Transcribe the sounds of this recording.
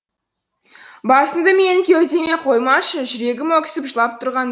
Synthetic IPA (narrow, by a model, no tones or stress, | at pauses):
bɑsənd̪əmekʲʰewze̞me̞qʰo̞jmɑʃəʒʏɾe̞ɡʲɪmwokʲɪ̥sɪpʒəlˠɑp̚t̪ʰʊɾʁɑn